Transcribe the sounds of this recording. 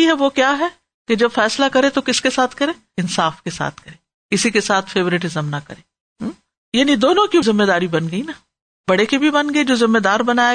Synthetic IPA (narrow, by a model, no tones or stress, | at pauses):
iɦɛʋokjaːɦɛ | ked͡ʒɐbfɛːslakɐɾẽt̪okɪskesaːt̪ʰkɐɾẽː | ɪnsaːfkesa̰ːt̪ʰkɐɾẽː | kɪsikesaːt̪ʰfeːʋɾɪʈ̬ɪzəmnɐkɐ̰ɾẽː | ɦ | jaːnid̪oːnõkizɪmːed̪aːɾibɐnɡɐina | bɐɽekebʱibɐnɡɐed͡ʒoːzɪmːed̪aːɾbɐnaː